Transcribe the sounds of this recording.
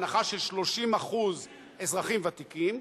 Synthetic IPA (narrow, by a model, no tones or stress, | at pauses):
naχaʃe̞lʃlo̞ʃimaχuz | ezʁaχimvat̪ikim